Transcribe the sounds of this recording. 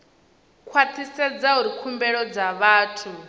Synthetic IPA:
kʰwat̪ʰisɛd͡zauɾikʰumbɛɺɔd͡zaβaːtʰu

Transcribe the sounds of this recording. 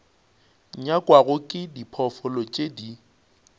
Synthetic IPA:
ɲakʼwaɣʊkʼɪdipʰɔfɔlɔt͡ʃʼedi

